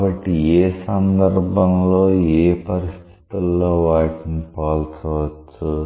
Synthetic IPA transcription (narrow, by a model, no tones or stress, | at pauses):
bɐʈːieːsɐnd̪ɐɾbʱɐmlo̞ːeːpɐɾist̪ʰi̥t̪ulːoːʋaːʈinpaːlt͡ʃoːʋɐt͡ʃːu